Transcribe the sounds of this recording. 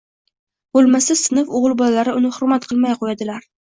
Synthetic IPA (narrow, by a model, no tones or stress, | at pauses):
bolˠmasasɪnɪfoʁɨlˠbɒlalaɾɪʊnɪhʊɾmat̪qʰɨlˠmajqʰojad̪ɪlaɾ